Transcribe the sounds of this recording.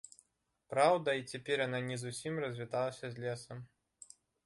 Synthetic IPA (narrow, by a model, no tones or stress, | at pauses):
pɾawd̪ɐit͡sʲɛpʲɛrjananʲɛzusʲimrɐzʲvʲit̪alˠɐsʲɐzʲlʲɛsɐm